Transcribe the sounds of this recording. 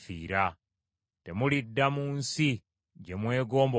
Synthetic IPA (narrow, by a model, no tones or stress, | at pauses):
fiːɾa | te̞mulidːamuːnsi | ɟe̞mwe̞ːɡo̞ːmbo